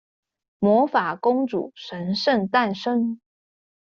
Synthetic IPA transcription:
mwɔ˧˥fa˨˩kʊ˥ŋʈ͡ʂṵ˨˩ʂə˧˥nʂə˥˧nt̪a˥˩nʂə˥ŋ

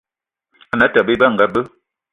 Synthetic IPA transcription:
a˨na˨˦tə˨bə˦bə˦˨ŋ̩˨ɡa˨˦bə˦

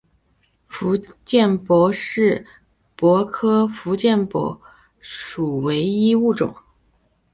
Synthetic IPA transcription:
fu˧˥t͡ɕjɛ˥˩npwɔ˧˥ʂɻ̩˥˩ | pwɔ˧˥kʰɤ˥fu˧˥t͡ɕjɛ˥˩npwɔ̰˧˥ | ʂu˨˩we˧˥ɪi˥u˥˩ʈ͡ʂʊ̰˨˩˦ŋ

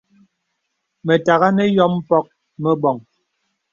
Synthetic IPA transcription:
mɛ˨ta˨ɣa˦nɛ˦jɔ˦m̩˦pɔ˦k̚ | mɛ˦bɔ˨ŋ

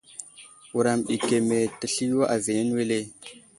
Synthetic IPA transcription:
wu˨ɾa˨mɗi˨ke˨me˨tə˨ɬi˦wa˦ʔa˨ve˨ne˦n˦we˦le˦

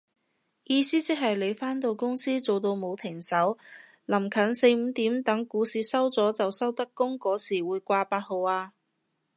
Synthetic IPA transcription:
jiː˧siː˥t͡sɪ˥k̚ɦɐ˨jle˨˧jfaː˥nt̪o˧wkʊ˥ŋsiː˥t͡so˨wt̪o˧wmo˨˧wt̪ʰɪ˨˩ŋsɐ˨˥w | lɐ˨˩mkʰɐ˨˥nse˧jm̩˨˧t̪iː˨˥mt̪ɐ˨˥ŋkuː˨˥siː˧˥sɐ˥wt͡sɔː˨˥t͡sɐ˨wsɐ˥wt̪ɐ˥kːʊ˥ŋkɔː˨˥siː˨˩wuː˨˧jkʷaː˧paː˧t̚ho˨˧waː˧

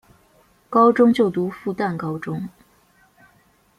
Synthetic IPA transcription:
kɑ˥ʊʈ͡ʂʊ˥ŋt͡ɕjo˥˩ʊt̪u˧˥fu˥˧t̪a˥˩nkɑ˥ʊʈ͡ʂʊ˥ŋ

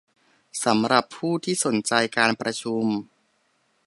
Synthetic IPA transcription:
sa˩˦mɾa˨˩pʰːuː˥˩t̪ʰiː˥˩so˨˩˦nt͡ɕa˧jkaː˧npɾa˧t͡ɕʰu˧m

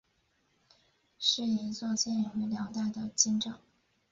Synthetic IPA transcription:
ʂɻ̩˥˩i˧˥t͡swɔ˥˧t͡ɕʰjɛ˥˩ni˨˩we˧˥ljɑ˧˥ʊt̪a˥˩ɪd̪ə˨˧t͡ɕi˥nʈ͡ʂɑ˨˩˦ŋ

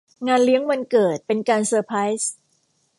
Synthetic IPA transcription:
ŋaː˧nli˦˥əŋwa˧nkɤː˨˩t̪̚pe˧nkaː˧nsɤː˧pʰɾa˦˥js

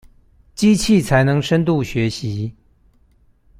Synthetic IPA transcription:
t͡ɕi˥t͡ɕʰi˥˩t͡sʰa˧˥ɪnɤ˧˥ŋʂə˥nt̪̬u˥˩ɕɥɛ˧˥ɕi˧˥

